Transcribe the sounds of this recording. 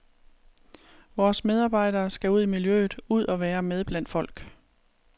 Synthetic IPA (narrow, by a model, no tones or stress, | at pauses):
ʋɒːsmeð̞ˠɑ̈ːb̥ɑ̈ɪ̰d̥ɐːsɡ̥æuð̞̰ˠimiljø̰ːð̩ˠuð̞̰ˠɒ̽ʋæːɐmeð̞ˠb̥læn̰d̥fɒ̽l̰ɡ̥